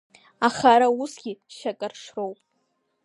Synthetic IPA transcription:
aχaɾausɡʲiʃakʼarʂrowpʼ

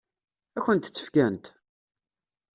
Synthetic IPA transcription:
æçənt̪t͡sːə̥fkænt̪

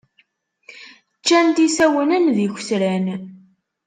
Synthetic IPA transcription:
t͡ʃːænt̪isæwənənðiç̥ʷsɾæn

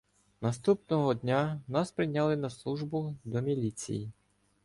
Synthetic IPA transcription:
nɐst̪upnɔɦɔd̪ʲnʲanɑspɾɪjnʲːɑlˠɪnɐslˠuʒbʊd̪ɔmʲilʲit͡sʲḭji

